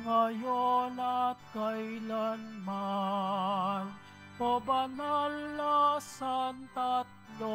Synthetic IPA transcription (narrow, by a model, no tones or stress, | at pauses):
ŋajonat̪̚kajlanma | n | obɐnalːasant̪at̪̚lo